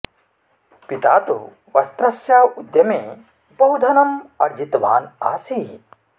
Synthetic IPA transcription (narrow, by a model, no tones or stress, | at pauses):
pit̪aːt̪ṵ | ʋɐst̪ɾɐsjaːud̪jɐmeː | bɐɦud̪ʱɐnɐmɐɾd͡ʒit̪ʋa̰ːnaːsi